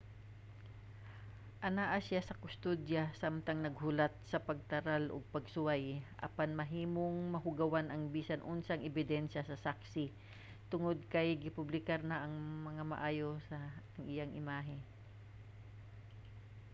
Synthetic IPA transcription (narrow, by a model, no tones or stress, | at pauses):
ʔɐnaːʔɐsjasɐkʊst̪od̪jɐsamt̪ɐŋnɐɡ̚hʊlat̪̚sɐpɐɡ̚t̪ɐɾalʔo̰ɡ̚pɐɡsʊwajʔɐ̰panmɐɦiːmoŋmɐɦʊɡɐwanɐŋbiːsɐnʔʊnsɐŋʔɛbɪd̪ɛnʃɐsɐsaksɪ | t̪ʊŋod̪̚kɐjɡɪpʊblɪkaɾnɐʔɐŋmɐŋamɐ̰ʔaːjo̞sɐŋʔɪjaŋʔɪmaːɦɪ